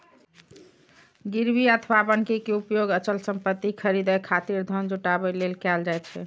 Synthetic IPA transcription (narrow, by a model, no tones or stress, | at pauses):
ɡiɾbiət̪ʰbabənkekeupjoɡət͡ʃəlsəmpət̪ːikʰəɾid̪əkʰat̪iɾd̪ʱənd͡ʒuʈabɛlelkɛld͡ʒajt̪t͡ʃʰɛ̰